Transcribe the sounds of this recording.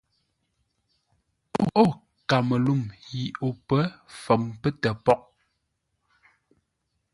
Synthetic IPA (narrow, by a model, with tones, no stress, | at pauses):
o˦o˦˨ | ka˨mə˨lu˦˨mji˨o˨pə˦fə˨mpə˦tɛ˨pɔ˦k̚